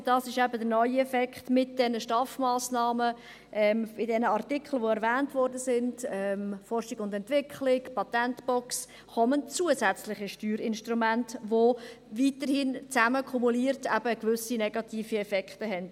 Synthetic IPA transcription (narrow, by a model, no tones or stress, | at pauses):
d̥ɑːsɪʃɛbədəɾnɔʏɛfɛkχtmɪt̚d̥ɛnəʃtɑfmɑːsnɑːmə | ʔɛmɪdɛnəɑrtɪkχl̩ʋoɛɾvæːntvɔɾdəsɪnd̥ɛmfɔrʃɪɡʊndɛntʋɪkχlɪɡpɑtɛntb̥ɔks | χɔmənt͡suəzɛt͡slɪχəʃtyːɾɪnʃtɾumæntʋo | viːtəɾhɪnt͡sæməkʰumuliːəɾtʰɛb̥əkvʏsinɛɡɑtiːfiɛfɛkχtəɦɛnd̥